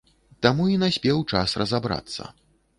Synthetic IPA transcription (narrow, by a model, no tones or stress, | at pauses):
t̪amuinasʲpʲɛwt͡ʂa̰srɐzabɾa̰t̪sːɐ̰